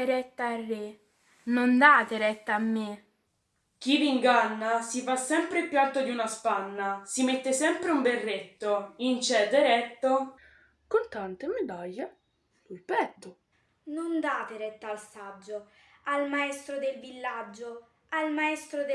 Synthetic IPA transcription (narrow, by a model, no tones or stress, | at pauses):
ɾɛt̪ːaarːe | nond̪aːt̪eɾɛt̪ːaːmːe | k̟iviŋɡanːasifasːɛmpɾepjualt̪od̪iunaspanːasimet̪ːesɛmpɾeumberːet̪ːoint͡ʃɛd̪eɾɛt̪ːo | kont̪ant̪emed̪aʎːe | lujpɛt̪ːo | nond̪aːt̪eɾɛt̪ːaːlsad͡ʒːo | almaɛst̪ɾod̪elvilːad͡ʒːo | almaɛst̪ɾod̪